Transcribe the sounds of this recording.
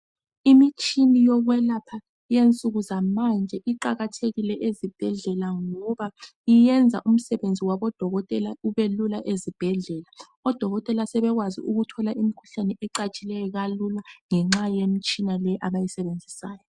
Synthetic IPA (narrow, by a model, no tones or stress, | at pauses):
imit͡ʃʰʼinijɔɣwɛlapʰa | jent͡sʼuɣuzamand͡ʒʱɛʔiǃaɣatʰeɣilɛʔezib̥ʱɛɮɛlaŋɔβaijɛnd͡zʱa̰ʔum̩sɛβend͡zʱiwaβɔd̥ʱɔɣɔtʼɛlauβelulaʔezib̥ʱɛɮɛla | ɔd̥ʱɔɣɔtʼɛlasɛβɛɣwazḭʔuɣutʰɔlaʔimikʰu̥ɬanɛʔɛǃat͡ʃʼilɛjɔɣalulaŋɛŋ͡ǁajem̩t͡ʃʼinalɛʔaβajisɛβend͡zʱisaːjɔ